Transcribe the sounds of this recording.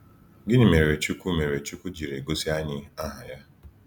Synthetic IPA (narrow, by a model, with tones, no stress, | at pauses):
ɡɪ˦ɲɪ˨me˨ɾe˨t͡ʃu˦ku˦me˨ɾe˨t͡ʃu˦ku˦d͡ʒi˨ɾe˨ɡo˦si˦a˦ɲɪ˦a˦ɦa˨ja˦